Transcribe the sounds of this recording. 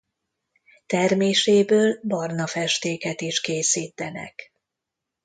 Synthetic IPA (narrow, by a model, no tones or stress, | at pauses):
t̪ɛrmeːʃeːbøːlbɒrnɒfɛʃt̪eːkɛt̪iʃkeːsiːt̪ɛnɛ̰k